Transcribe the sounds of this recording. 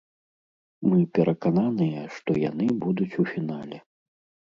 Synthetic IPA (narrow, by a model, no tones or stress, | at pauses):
mɨpʲɛɾʔɐkananɨjɛʂt̪ɔjan̪ɨbud̪ut͡sʲufʲinalʲɛ